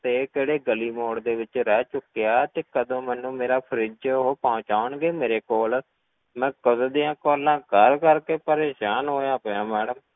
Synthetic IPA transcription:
t̪eːkeːɽeːɡəliːmoːɽd̪eːʋɪt͡ʃɾɛːt͡ʃʊkːijaːt̪eːkəd̪õːmɛ̃ːnũːmeːɾaːpʰəɾɪd͡ʒɦoːpɔʊt͡ʃaːʊɳɡeːmeːɾeːkoːl | mɛ̃ːkəzd̪ijãːkoːlãːkəɾkəɾkeːpəɾeːʃaːnɦoːjaːpːãːmɛːɽəm

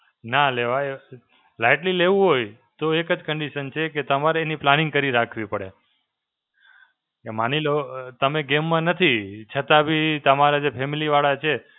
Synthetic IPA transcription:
naleʋae | laɪʈlileʋũɦoj | t̪oekəd͡ʒkəɳɖiʃənt͡ʃʰeket̪əmaɾeːniplanɪ̃ŋɡkəɾiɾakʰʋipəɽḛ | emanilot̪əmeɡemːãnət̪ʰit͡ʃʰət̪abʱit̪əmaɾad͡ʒepʰemiliʋaɭat͡ʃʰe

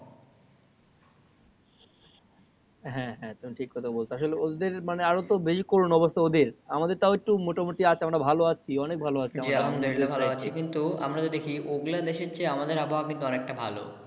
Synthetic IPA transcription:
ɦɛ̃ɦɛ̃t̪omiʈʰikːɔɾt̪ʰakebolt͡ɕʰoaʃoleod̪d̪eɾmaneaɾot̪obed͡ʑikoɾunɔbost̪ʰaod̪iɾamad̪eɾt̪aoek̚ʈumoʈamuʈiat͡ɕʰeamɾabʱaloat͡ɕʰiɔnek̚bʱaloat͡ɕʰeamd͡ʑamd̪ekiebʱaloat͡ɕʰikint̪ua̰mɾat̪od̪ekʰioɡlad̪eʃeɾt͡ɕeamad̪eɾabʱaoaɡnit̪oɔnek̚ʈabʱa̰lo̰

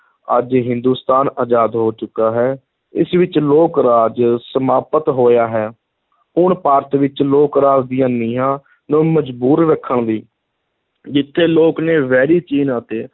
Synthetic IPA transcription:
ə̰d͡ʒɦɪ̃nd̪uːst̪aːnaːd͡ʒaːd̪ɦoːt͡ʃʊkːaːɦɛː | ɪ̰sʋɪt͡ʃloːkɾaːd͡ʒsəmaːpət̪ɦoːjaːɦɛː | ʊɳpaːɾət̪ʋɪt͡ʃloːkɾaːd͡ʒd̪ɪjãːniːãː | nũːməd͡ʒbuːɾɾəkʰːəɳd̪iː | d͡ʒɪt̪ʰːeːloːkneːʋɛːɾiːt͡ʃiːnaːt̪eː

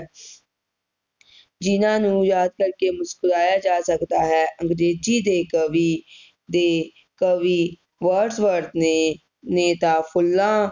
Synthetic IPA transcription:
d͡ʒɪnãːnũːjaːd̪̚kəɾkeːmʊskʊɾaːjaːd͡ʒaːsəkd̪aːɦɛːʔə̃ŋɡɾeːd͡ʒiːd̪eːkəʋiː | d̪eː | kəʋiː | ʋəɾɖsʋəɾd̪e | neːt̪aːpʰʊlːãː

